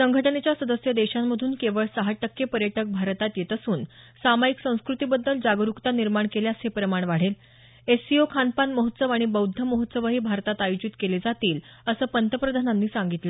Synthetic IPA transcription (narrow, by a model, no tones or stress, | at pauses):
səŋɡʱəʈənet͡ɕjasəd̪əsjəd̪eɕamːəd̪ʱuːnkeʋəɭsəɦaʈəkjepəɾjəʈək̚bʱaɾt̪at̪jet̪əsuːnsamajiksə̃w̃skɾut̪ibəd̪ːəld͡zaɡɾukt̪aniɾmaɳkelejasɦepɾəmaɳ̃ʋaɽ̤el | esiokʰanpanməɦət̪səʋaɽ̃ibəwd̪ʱːəməɦot̪səʋəɦiːbʱaɾt̪at̪ajud͡ʑit̪keled͡zat̪iːl | əsəːpənt̪ʰəpɾəd̪ʱananːiːsaŋɡit̪lə